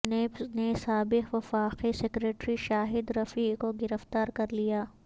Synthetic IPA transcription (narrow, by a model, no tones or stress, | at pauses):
neːpnesaːbɪɦʋɐfaːqisekɾeːʈɾiʃaːɦɪd̪ɾɐfiːkoɡɪɾəft̪aːɾkɐɾlijaː